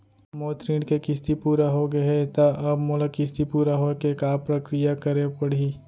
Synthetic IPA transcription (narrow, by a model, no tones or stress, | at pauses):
moːt̪ɾĩːɳɖkekɪst̪ipuːɾaɦoɡɐet̪aʔɐbmoləkɪst̪ipuːɾaɦokekaːpɾɐkɾijakɐɾepɐɽ̤i